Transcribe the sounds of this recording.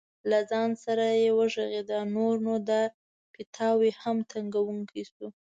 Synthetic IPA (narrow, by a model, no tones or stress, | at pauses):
lazɑnsaɾajewəʒaɣed̪anoɾnod̪aɾ | pɪt̪ʰɑwehamt̪aŋɡawuŋkʰisu